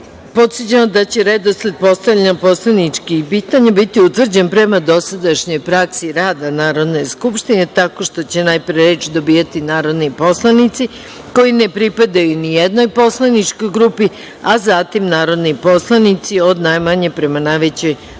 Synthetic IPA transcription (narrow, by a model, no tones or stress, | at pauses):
po̞t̪sət͡ɕemod̪at͡ɕe̞ɾed̪osled̪̚po̞st̪avlʎʲenopo̞slˠanit͡ʃkipiːt̪aɲebit̪iut̪vr̩d͡ʑenpɾemad̪o̞sad̪aʃɲo̞jpɾaksiɾaːd̪anaːɾo̞d̪ne̞jskupʃt̪ine̞t̪ako̞ʃt̪o̞t͡ɕe̞najpɾeɾeːt͡ʃd̪o̞biːat̪inaːɾo̞d̪nipo̞slˠanit̪si | ko̞jine̞pɾipad̪ajunijed̪no̞jpo̞slˠanit͡ʃko̞jɡɾupi | azat̪imnaːɾo̞d̪nipo̞slˠanit̪sio̞d̪najmaɲe̞pɾe̞manajʋet͡ɕo̞j